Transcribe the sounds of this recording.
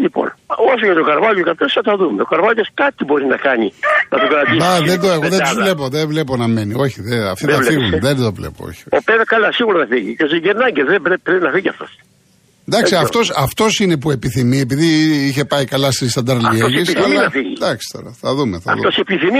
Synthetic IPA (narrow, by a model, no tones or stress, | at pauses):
ʎipo̰nos̬ojɐt̪okɐɾvɐʎokɐɾt̪osθɐt̪ɐðumeokɐɾvɐʎoskɐt̪ibo̞ɾinɐkɐɲinɐt̪okɐɾɐnd̪iɐðed̪oeɣoðet̪uzvle̞poðevle̞po̞nɐme̞nio̞çiðeɐft̪iɐlfiɣunðed̪ovlḛpo̰o̰çi̥oopeðɐkɐlɐsiɣuɾɐnɐfiʝḭces̬iɟeɾnɐɟeðebɾepɾepinɐfiʝiɐ̰ft̪o̞̰s | nd̪ɐksiɐft̪o̞sɐft̪o̞sinep̬ue̞piθimiepiðiiçe̞pɐikɐlɐst̪ist̪ɐnd̪ɐɾlieɣeisiθɐlnɐfiʝid̪ɐksi̥t̪o̞̰ɾɐθɐðumeθɐɐ̰ðt̪osepiθimi